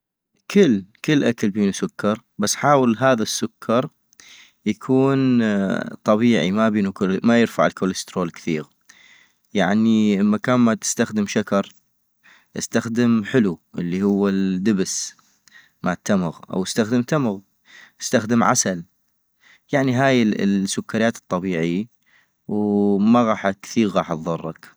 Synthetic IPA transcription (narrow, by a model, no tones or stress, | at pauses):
kʰɪlːkəlːʔakalbiːnusʊkʰːɑɾˤ | basːħaːwəlɦaːðasːʊkʰːɑɾˤ | jakʰuːn | t̪ˤɑβiːʕimabiːnukmajɪɾfaʕɪlkoːləst̪ɾoːlkθiːɣ | jaʕniʔəmːakaːnmat̪ɪ̥st̪axd̪əmʃakɑɾˤ | ʔɪ̰st̪axd̪əmħɪluʔɪlːihʊwːad̪əbs | maʕat̪ːamɣʔa̰wɪst̪axd̪əmt̪amɣ | ʔɪ̥st̪axd̪əmʕa̰sal | jaʕniɦaːjɪsːʊkːaɾjaːt̪ɨ̥t̪ˤːɑbiːʕɪjːa | wmaɣɑːħkθiːɣɣɑːħt̪ðˤɑrˤːɑ̰k